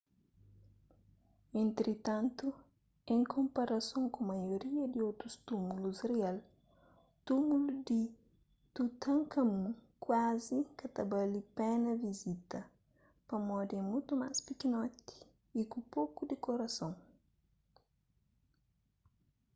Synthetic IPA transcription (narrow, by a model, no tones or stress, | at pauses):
ẽnt̪ɾit̪ãnt̪u | ẽŋkʰõmpɐɾɐsõŋkõmɐjoɾiɐd̪iowt̪ɾust̪umulusrial | t̪umulud̪i | t̪ut̪ɐ̃ŋkɐmũkwazikɐt̪ɐbɐlipɛnɐvizit̪ɐ | pɐmɔd̪ẽmũjt̪umaspikinɔt̪i̥ː | kũpokud̪ikoɾɐsõŋ